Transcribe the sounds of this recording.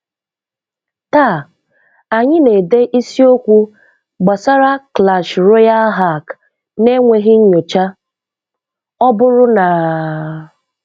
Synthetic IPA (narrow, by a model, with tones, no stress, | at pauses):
ta˦˨ | a˨ɲɪ˦ne˨de˦ʔi˦si˦o˦kʷu˦ | ɡ͡ba˨sa˦ɾa˦kla˨ʃɾo˦ja˦ɦa˦˨k | ne˦ŋʷe˨ɦɪ˦ɲ̩˦ɲo˨t͡ʃa˦ | ɔ˦bʊ˦ɾʊ˦na˨